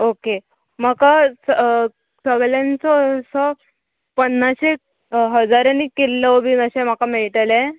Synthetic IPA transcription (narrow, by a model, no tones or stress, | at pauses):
oke | m̤akas | səɡɭjant͡sɔsɔ | pənːaɕe | ɦəd͡zaɾanikelːɔbinəɕem̤akameɭʈalẽ